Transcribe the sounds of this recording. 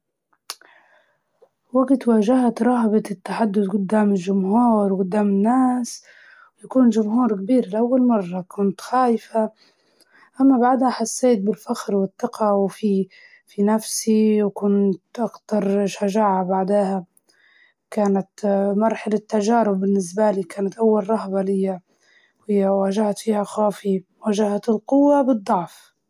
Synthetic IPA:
waɡt̪waːʒahat̪ɾˤɑɦbat̪ɪt̪ːaħad̪ːʊd̪ɡʊd̪ːaːmɪlʒʊmhuːɾwɡʊd̪ːaːmɪnːaːs | wjakuːnʒʊmɦuːɾkabiːɾɪlʔawːalmɑrˤːɑkʊnt̪xaːjɪfa | ʔamːabaʕd̪haħasːeːt̪̚bɪlfaxɾwɪt̪ˤːɑqʰɑwfi | finafsiwkʊnt̪ʔɑkt̪ɑɾˤʃaʒaːʕabaʕd̪aːha | kaːnat̪mɑɾˤħalat̪ːaʒaːɾʊbːɪnːɪs̬baliːkaːnat̪ʔawːalɾˤɑhbalɪjːa | whɪjːawaːʒahat̪fiːhaxaːfi | waːʒahat̪ɪlqʊwːabɨd̪ˤːɑʕf

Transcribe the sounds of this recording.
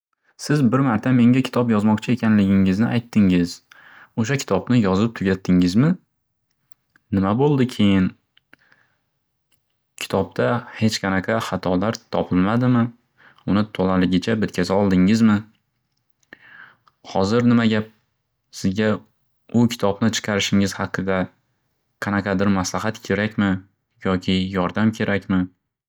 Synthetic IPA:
sɪzbɪɾmaɾt̪ʰame̞ŋʲakʲʰɪ̥t̪ʰɒpjɒzmɒqt͡ʃʰɪe̞kʲʰanlɪɡʲɪŋɪznɪʔajt̪ʰːɪŋɪz | oʃ̬akʲʰɪ̥t̪ʰɒbnɪjɒzɪp̚t̪ʰʊɡʲat̪ʰːɪŋɪzmɪ | nɪmabolˠd̪ɪkʲʰe̞jɪn | kʲʰɪ̥t̪ʰɒb̚t̪ʰahe̞t͡ʃqʰɑnaqʰɑχɑt̪ʰɒlaɾt̪ʰɒpʰɪlmad̪ɪmɪ | ʊnɪt̪ʰolalɪɡʲɪt͡ʃʰabɪt̪kʲʰazaɒlˠd̪ɪŋɪzmɪ | hɒzɪɾnɪmaɡʲap̚ | sɪzɡʲa | ʊkʲʰɪ̥t̪ʰɒbnɪt͡ʃʰɨ̥qʰɑɾɪʃɪŋɪz̥hɑqʰːɨd̪a | qʰɑnaqʰɑd̪ɪɾmaslaɦat̪kʲʰe̞ɾakʲmɪ | jɒkʲʰɪjɒɾd̪amkʲʰe̞ɾʔakʲmɪ

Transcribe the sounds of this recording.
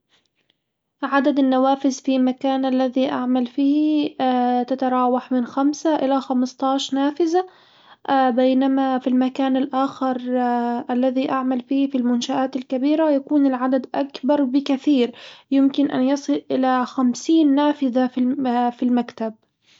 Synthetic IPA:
ʕad̪ad̪anːawaːfɪzfimakaːnʔalːaðiʔaʕmalfiː | t̪at̪ɑɾˤɑːwaħmɪnxamsaʔɪlaxamɑst̪ˤɑːʃnaːfɪza | bajnamafilmakaːnalʔaːxɪɾˤʔalːaðiʔaʕmalfiːfilmʊnʃaʔaːt̪alkabiːɾajakuːnɪlʕad̪ad̪ʔakbɑɾˤbɪkaθiːɾjɪmkɪnʔa̰njɑsˤɨlʔɪlaxamsiːnːaːfɪzaffilmakt̪ab̚

